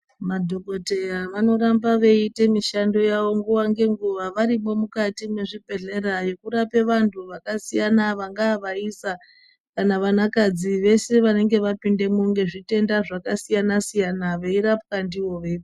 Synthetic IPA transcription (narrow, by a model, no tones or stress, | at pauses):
madʱo̞ko̞te̞jaʋano̞ɾambaʋe̞ite̞miʃando̞jaʋo̞ŋɡuwaŋɡe̞ŋɡuʋaʋaɾimo̞mukatime̞ʐibʱe̞ɮe̞ɾaje̞kuɾape̞ʋantʰuʋakasijanaʋaŋɡaːʋaisa | kanaʋanakad͡ziʋe̞se̞ʋane̞ŋɡe̞ʋapinde̞muŋɡe̞ʐite̞ndaʐakasijanasijanaʋeiɾapkandiwo̞ʋe